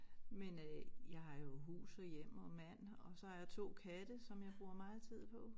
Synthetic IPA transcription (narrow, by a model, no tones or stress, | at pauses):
menøjɑ̈ɪɦɑ̈jo̝ɦṵːsɒjem̰ɒmæn̰ɒ̽sɒ̽hɑ̈jɑ̈ɪt͡sʰo̝̰ːkʰæd̥əsɒ̽mjɑ̈ɪb̥ʁuːɐmɑ̈ːð̩ˠt͡sʰið̰ˠpʰɒ̽